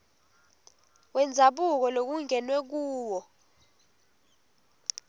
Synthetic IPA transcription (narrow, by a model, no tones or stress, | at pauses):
wɛnd͡zʱaɓuk̬ɔlok̬uŋɛnwɛk̬uːwɔ